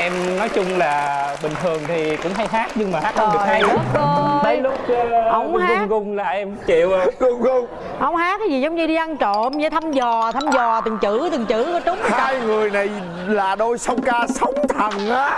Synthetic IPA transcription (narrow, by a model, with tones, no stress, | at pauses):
ʔɛ˧mnɔ˨˦jt͡ɕʊ˧ŋ͡mlaː˨˩ɓï˨˩ŋ̟t̪ʰɨ˨˩əŋt̪ʰi˨˩kʊ̰˧˥ŋ͡mɦa˧jɦaː˦˥k̚ɲɨ˧ŋmaː˨˩haː˦˥˧ɗɨ˨˩˨j̚kha˧j̚ə˨˧˦lʊ˦˥k͡p̚ʔə˧˦wŋ͡mhakʊ˧˦˥ŋkʊ˧ŋ͡mlaː˨˩ʔɛ˧mt͡ɕi˧˨wkʊ˧ŋ͡mkʊ˧ŋ͡m | ʔə˧˦wŋ͡mhaː˦˥t̚kaː˨˦zi˨˩zwŋ͡mɲɨ˧ɗi˧ʔa˧nt͡ɕo̰˧˨nɨ˧˦t̪ʰa˧mzɔ˨˩t̪ʰa˧mzɔ˨˩t̪ɨ˨˩ŋt͡ɕɨ˧˩˥t̪ɨ˨˩ŋt͡ɕɨ̰˧˩kɔ˨˦t͡ɕʊ˨˦wŋ͡mhaaː˧jŋɨ˨˩əjna˨˩j | laː˨˩ɗo˧jsə˧wŋ͡mkaː˧sə˨˦wŋ͡mt̪ʰə˨˩ŋʔaː˨˦